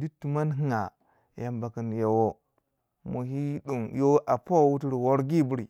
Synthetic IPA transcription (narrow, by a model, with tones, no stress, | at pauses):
di˦tːu˨ma˦nɦi˦ŋa˨ | ja˨mba˨ki˨nje˨wo˦ | mo˨hi˦ɗu˨ŋjo˦ʔa˨po˦˨wu˦ti˦ɾi˨wo˦ɾɡi˦˨bu˦ɾi˨